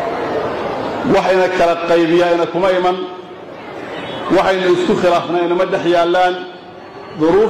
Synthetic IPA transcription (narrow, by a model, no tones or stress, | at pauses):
wɑħɪnɐkʰɐlɐqɑjβɪjaɪnɐkʰʊmɐɪmɐn | wɑħɑjnʊɪskʰʊχɪlaːfnaɪnɐmɐɖɛħjaːlːaːn | ðʊɾuː